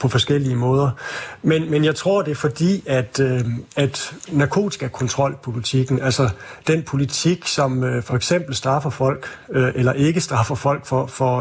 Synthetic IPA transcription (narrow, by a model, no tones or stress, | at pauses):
pʰɒ̽fɒ̽sɡ̥el̰iəmɔ̽ːð̞ˠɐmenmenjɑ̈ɪt͡sʰʁo̝ɐ̰d̥e̝æɐfɒ̽d̥ḭːæd̥æd̥nɑ̈kʰo̝̰̥ːiɡ̥æɐkʰɒ̽nt͡sʰʁɒ̽l̰pʰolit͡sʰiɡ̥n̩ælsɐd̥enpʰo̝lit͡sʰiɡ̥sɒ̽møfɒ̽eɡ̥sem̰b̥l̩sd̥ʁɑ̈fɐfɒ̽l̰ɡ̥øʔelɐʔe̝ɡ̥əsd̥ʁɑ̈fɐfɒ̽l̰ɡ̥fɒfɒ